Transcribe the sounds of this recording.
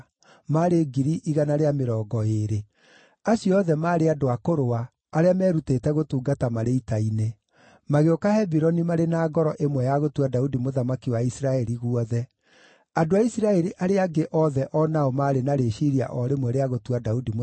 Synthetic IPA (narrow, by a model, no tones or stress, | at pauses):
maɾeɡiɾiʔiɣanaɾeameɾɔːɡɔeɾe | aɕjɔɔðɛmaːɾeadoakoɾoaː | ɾeamɛːɾutetɛɣotuːɡatamaɾeitaine | maɣeokahɛbiɾɔnimaɾenaːɡɔɾɔʔemwɛjaɣotwadaudimoðamakiwaisiɾaɛɾiɣuɔðɛ | adoaisiɾaɛɾiʔaɾeaɡeʔɔðɛʔɔnaomaːɾenaɾeʃiɾia̰ʔɔɾemwɛɾeaɣotwadaudimo